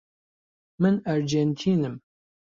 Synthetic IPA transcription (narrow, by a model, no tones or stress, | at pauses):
mɨnæɾd͡ʒent̪ʰiːnɨm